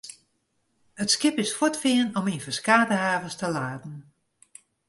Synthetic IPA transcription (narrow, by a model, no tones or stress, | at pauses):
ətskɪpɪsfɔtfɪənɔminfəskaːdəhaːvəstəlaːdn̩